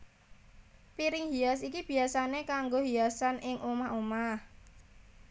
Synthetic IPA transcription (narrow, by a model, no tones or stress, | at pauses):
piɾɪŋhias̬ikib̥i̤asanekaŋɡoɦiasanʔɪŋʔomahomah